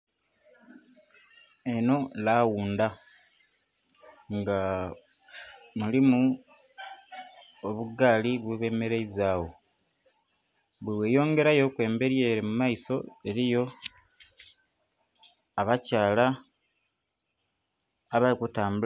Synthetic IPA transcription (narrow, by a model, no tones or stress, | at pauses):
e̞no̞lawuːnda | ŋɡa | mulimu | oβuɡaːliβweβe̞ːmeɾeizaːwo̞ | βweweːjo̞ːŋɡe̞ɾajo̞kwe̞ːmbe̞ɾje̞ːɾimumaiso̞e̞ɾijo̞ | aβacaːla | βalikutaːmbu